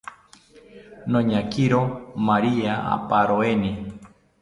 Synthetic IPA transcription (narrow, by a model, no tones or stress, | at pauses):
nõɲãkiɾomaɾiaa̰paɾoeni